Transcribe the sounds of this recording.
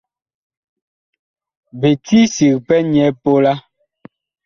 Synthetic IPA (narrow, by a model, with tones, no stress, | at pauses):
be˨ti˦si˨kpɛ˦ɲɛ˨˦po˦la˦